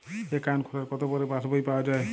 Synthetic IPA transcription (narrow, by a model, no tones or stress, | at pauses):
ekankʰolaɾkɔt̪obɔɾepasbaipaoad͡ʒae